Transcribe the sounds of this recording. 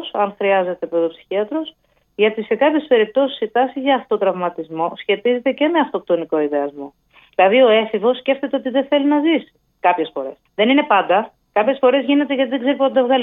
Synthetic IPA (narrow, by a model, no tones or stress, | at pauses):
sɐnxɾiɐze̞t̪e̞pɾoðopsi̥çiɐt̪ɾo̞s | ʝɐt̪ise̞kɐpçe̞spe̞ɾip̚t̪o̞si̥sit̪ɐsizʝɐːft̪ot̪ɾɐvmɐt̪izmo̞sçe̞t̪ize̞t̪e̞ce̞me̞ɐft̪o̞p̚t̪o̞niko̞iðe̞ɐzmo̞ | ðilɐðio̞e̞fivo̞sːce̞ft̪e̞t̪eo̞t̪iðeθe̞linɐzisi̥ | kɐpçe̞sfo̞ɾe̞sðe̞nine̞pɐnd̪ɐ | kɐpçe̞sfo̞ɾe̞zʝine̞t̪eʝɐt̪iðeɡze̞ɾipond̪ɐvɣɐl